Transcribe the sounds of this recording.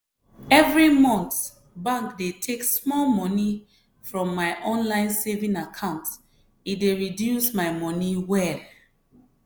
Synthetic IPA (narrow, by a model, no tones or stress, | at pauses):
ɛvɹimɔ̃nθ | bãŋkdetʰeksmɔlmɔni | fɹɔ̃mːaɪʔɔ̃nlãɪ̃nsevĩŋakʰãʊ̃nts | ideɹidjusmaɪmɔniwɛl